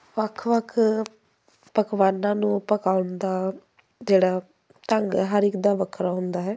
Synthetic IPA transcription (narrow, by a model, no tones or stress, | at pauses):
ʋəkʰʋəkʰ | pəkʋaːnãːnũːpəkaːʊnd̪aː | d͡ʒeːɽaː | t̪əŋɡɦaɾɪkd̪aːʋəkʰɾaːɦʊnd̪aːɦɛː